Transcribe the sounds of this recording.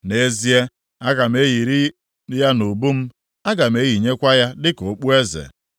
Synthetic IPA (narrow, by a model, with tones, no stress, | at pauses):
ne˦zi˦e˦ | a˦ɡa˨m̩˦e˦ji˨ɾi˦ | ja˦no˨bu˦m̩˦ | a˦ɡa˨m̩˦e˦ji˨ɲe˦kʷa˦ja˦dɪ˦ko˨k͡pu˦e˦zḛ˨